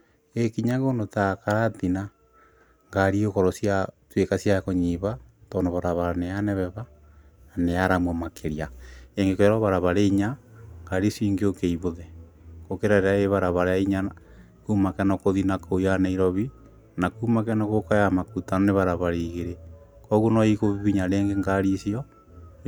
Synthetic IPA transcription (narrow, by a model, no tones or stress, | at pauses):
ekiɲaɣonotakaɾatina | ŋɡaɾiokɔɾɔsjatwekasjakoɲiβatonoβaɾaβaɾaneanɛβɛβa | aneaɾamomakʰeɾiaeŋɡekojaɾoβaɾaβaɾeɲaŋɡaɾisiːŋɡeokeiβoðɛ | kokeɾaɾeaeβaɾaβaɾajaiɲana | kumakɛnɔkoðinakojaneiɾɔβi | nakumak̬ɛnɔɣokajamakutanoneβaɾaβaɾeiɣeɾe | kɔɣonɔikoβiβiɲaɾeːŋɡeŋɡaɾisiɔ